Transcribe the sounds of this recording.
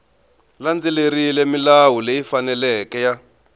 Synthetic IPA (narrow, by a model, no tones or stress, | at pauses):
land͡zileɾilemilawulejifanɛlɛkɛja